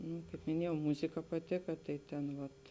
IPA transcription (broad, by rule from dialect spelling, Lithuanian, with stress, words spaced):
nuː kɐɪp mʲɪˈnʲiɛjɛʊ ˈmʊzʲɪkɐ pɐˈtʲɪkɐ ˈtɐɪ tʲɛn ˈʋɐt